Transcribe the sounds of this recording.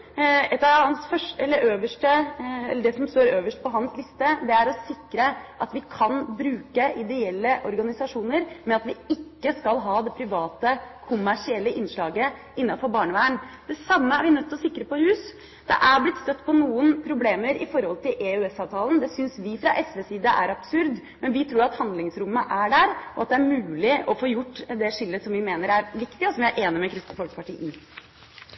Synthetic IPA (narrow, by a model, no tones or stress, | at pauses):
ɛt̪ːɑʋhɑnsfœʂɛlːəɾʔøːʋəʂʈəɛlːəɖɛsɔmst̪oːɾøːʋəʂʈ̚pʰɔɦɑnslɪst̪əd̪ɛæɾɔsɪkːɾəʔɑt̪ʋɪkʰɑnbɾʉːkəʔɪd̪ɛɛlːəʔɔɾɡɑnɪsɑʂuːnəɾmɛɑt̪ʋɪɪkːəskɑlɦɑːd̪ɛpʰɾɪʋɑːt̪əkʰʊmːæʂɪɛlːəʔɪnʂɭɑːɡə | ɪnːɑfɔɾbɑːɳəʋæːəɳd̪̥ɛsɑmːəæɾʋɪnœt̪ːɔsɪkːɾəpɔhʉːs | d̪̥ɛ̰ʔæɾblɪt̪st̪œt̪ːpʰɔnuːənpʰɾʊbleːməɾɪfɔɾhɔlt̪ʰɪleʉɛsɑːʋt̪ʰɑːlənd̪ɛsʏnsʋɪfɾɑʔɛsʋɛːsiːd̪əʔæɾɑb̥sʉɾd̪ | mɛnʋɪt̪ʰɾuːɾɑt̪hɑnd̪lɪŋsɾʊmːəʔæɖæɾʔɔɑt̪̚d̪ɛæɾmʉːlɪɔfoːjʊʈːd̪ɛʂɪlːəsɔmʋɪmeːnəɾæɾʋɪkt̪ɪɔsɔmʋɪæʔeːnɪmɛkʰɾɪst̪əfɔlkə̥pɑʈʰiːʔɪ